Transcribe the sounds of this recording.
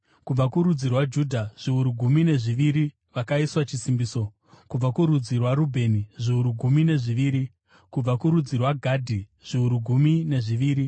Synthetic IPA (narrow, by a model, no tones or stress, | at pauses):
kub͡vakuɾud͡zirwad͡ʒudʱaʐ̥iuɾuɡʱumine̞ʐiʋiɾi | ʋakaiswat͡ʃisimbiːso̞ | kub͡vakuɾud͡zirwaɾubʱe̞niʐiuɾuɡʱumine̞ʐiʋiːɾi | kub͡vakuɾud͡zirwaɡʱadʱi | ʐ̥iuɾuɡʱumine̞ʐiʋiːɾi